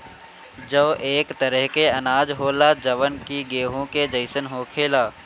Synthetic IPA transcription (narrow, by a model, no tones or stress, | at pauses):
d͡ʒəʋʔeːkt̪əɾəɦkeɐnaːd͡ʒɦoːlad͡ʒɐʋənkiɡeːɦõked͡ʒəɪsənɦoːkʰeːlaː